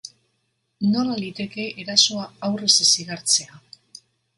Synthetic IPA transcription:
no̞lalit̪e̞ke̞eɾaso̞aawresesiɣaɾt͡se̞a

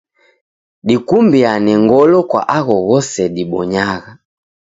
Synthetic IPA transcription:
ɗikumbianɛŋɡɔlɔkwa̰ʔaɣɔɣɔsɛɗiɓɔɲaɣa

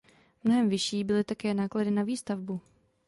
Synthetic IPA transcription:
mno̞ɦɛmvɪʃiːbɪlɪt̪akɛːnaːkladɪnaviːst̪avbu

